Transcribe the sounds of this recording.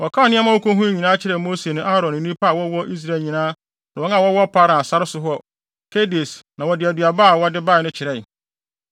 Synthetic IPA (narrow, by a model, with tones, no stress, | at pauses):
wɔ˨kʰã˦˨nɪ̃˦ɛ̃˦mã˦o˦kõ˦ɦũ˦ɲĩ˨nãː˦t͡ɕʰɪ˦ɾɛ˨mo˦se˨nʊ̃˦a˦ɾɔ̃˨n˨nĩ˦pʰa˦a˨wɔ˦wɔ˦ʔi˦s̬ɾa˦˨ɲĩ˨nãː˦ | nã˨wɔ˦ŋã˦˨wɔ˦wɔ˦pʰa˦ɾã˨sa˦ɾɪ˦sʊ˨ɦɔ˦ | kʰe˦de˨snã˨wɔ˨dɪ˨æ˨dɥa˨baː˦˨wɔ˦dɪ˦ba˦˨nʊ̃˦t͡ɕʰɪ˨ɾɛ˦˨